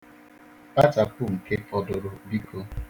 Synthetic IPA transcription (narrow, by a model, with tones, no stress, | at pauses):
pa˦ta˨ku˦˨m̩˨ke˦pɔ˨dʊ˨ɾʊ˨bi˦kʰo˦